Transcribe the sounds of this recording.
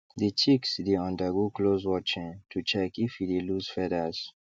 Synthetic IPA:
dit͡ʃiksdeãndaɡuklozwɔt͡ʃĩntʰut͡ʃɛkifhideluz̥fɛdəz̥

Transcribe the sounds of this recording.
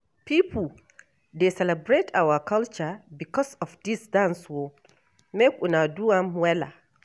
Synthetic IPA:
pipl | desɛlɛbɹetʰawakalt͡ʃabikɔsɔfdisdãnswo | mekʷunaduãmwɛla̰

